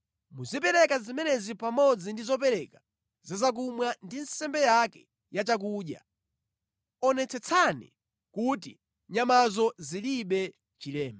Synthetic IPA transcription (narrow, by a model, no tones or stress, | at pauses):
muzip̬ɛɾɛkazimɛnɛzipamɔd͡zindizɔp̬ɛɾɛka | zazak̬umwandinsɛmbɛjakɛ̥ | jat͡ʃak̬uːɗja̰ | ɔnɛt͡sʰɛt͡sʰanḭ | kutḭ | ɲamazɔziliɓɛ | t͡ʃilɛːma